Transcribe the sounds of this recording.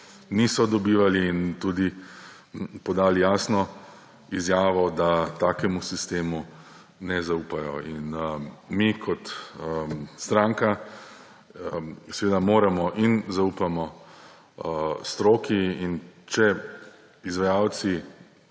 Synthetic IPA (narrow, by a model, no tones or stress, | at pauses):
nisɔd̪ɔbiːʋaliːnt̪uːd̪i | pɔd̪aːlijaːsnɔ | izjaːʋɔd̪at̪aːkɛmusist̪eːmu | nɛzauːpajɔ̰inmikʰɔt̪ | st̪ɾãːŋka | sɛʋeːd̪amoːɾamɔʔinzaupamɔ | st̪ɾoːkiint͡ʃɛ | izʋajaːw̪si